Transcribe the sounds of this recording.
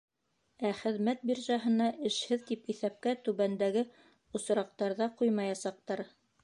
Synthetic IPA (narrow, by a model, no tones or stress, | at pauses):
æχɘ̆ðmæt̪̚biɾʒɑɦɤ̆nɑʔɘ̆ʃhɘðt̪ipiθæp̚kæt̪ʉβænd̪æɡɘ | ŏs̆ɾɑq̚t̪ɑɾðɑqujmɑjɑsɑq̚t̪ɑɾ